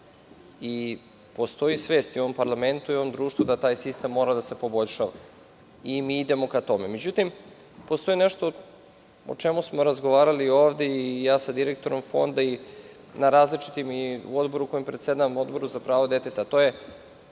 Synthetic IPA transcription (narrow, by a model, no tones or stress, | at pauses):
i | po̞st̪o̞jisʋe̞ːst̪ioʋo̞mpaɾlˠame̞nt̪uioʋo̞md̪ɾuːʃt̪vud̪at̪aːjsist̪e̞mːo̞ɾad̪ase̞po̞bo̞ʎʲʃaʋa̰ | imiid̪e̞mo̞kat̪o̞meme̞d͡ʑut̪im | post̪o̞ineʃt̪o̞ | o̰t͡ʂemusmo̞ɾazɡo̞ʋaːɾalioːʋd̪eijaːsad̪iɾek̚t̪oɾo̞mfo̞̰nd̪ai | naɾaːzlit͡ʃi̥t̪imiṵo̞d̪bo̞ɾuko̞jempɾesed̪amo̞d̪bo̞ɾuzapɾaːʋo̞d̪e̞t̪et̪aːt̪o̞ːje̞